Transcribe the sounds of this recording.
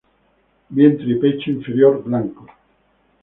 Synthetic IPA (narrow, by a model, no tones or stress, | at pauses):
bjent̪ɾipet͡ʃiɱfeɾjoɾblaŋko